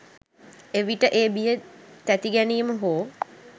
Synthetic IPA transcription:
eʋiʈəʔeːbijət̪æt̪iɡæniːməɦoː

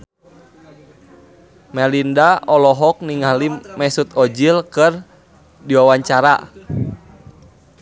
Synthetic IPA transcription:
mɛlindaɔlɔɦɔk̚niŋalimɛsut̪ɔd͡ʒilkɨr | diwawaɲt͡ʃaɾa̰

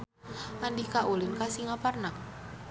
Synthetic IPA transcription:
ʔandikaʔulɪnkasiŋaparna

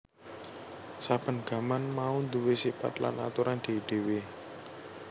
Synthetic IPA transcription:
sab̥ə̤nɡ̥a̤manmaund̪uwesipa̰t̪la̰na̰t̪uɾand̪̥e̤ɖ̪̥e̤we

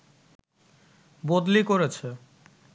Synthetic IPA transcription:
bod̪likoɾet͡ɕʰe

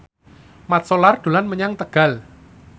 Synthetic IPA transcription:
mat̪̚solard̪̥o̤lanməɲaŋt̪əɡ̥a̤l

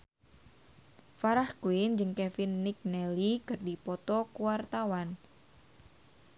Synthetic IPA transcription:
faɾahkuɪnd͡ʒɨŋkɛfɪnːik̚nɛlikɨrdipɔt̪ɔkuwart̪awan

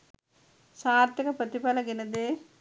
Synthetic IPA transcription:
saːɾt̪ikɐpɾɐt̪ipɐlɐɡinɐd̪e

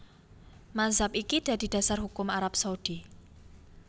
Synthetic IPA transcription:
mazapikid̪̥a̤d̪̥i̤d̪̥a̤sarɦukʊmaɾap̚saud̪̥i

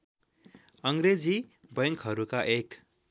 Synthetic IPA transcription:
ʌŋɡɾed͡zibʌŋkɦʌɾukaʔek

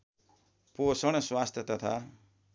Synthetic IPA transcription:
posʌɽ̃ʌswast̪ʰjʌt̪ʌt̪ʰa̰

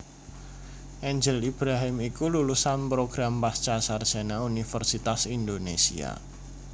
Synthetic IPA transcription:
ʔɛɲd͡ʒəlib̥ɾaɦɪmikululusanpɾoɡ̥ɾampast͡ʃasardʒ̥a̤naunifərsit̪asind̪onesḭa̰

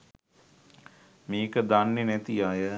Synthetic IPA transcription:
miːkəd̪anːenæt̪ijaːjə

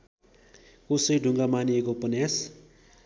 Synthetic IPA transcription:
kosʌjɖʱuŋɡamaniekopʌnjas

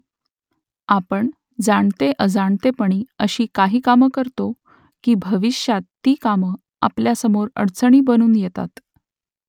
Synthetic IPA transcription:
apəɳ | d͡zaɳt̪eʔəd͡zaɳt̪epəɳ̃iːəɕiːkaɦiːkaməkəɾt̪o | kiːbʱəʋiɕjat̪ːiːkamə | a̰pljasəmoɾə̰ɽt͡səɳ̃iːbənuːnjet̪a̰t̪

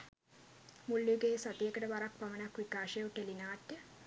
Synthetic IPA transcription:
mulːuɡeːsat̪ijekəʈəʋaɾak̚pamənakʋikaːʂejuʈelinaːtːə

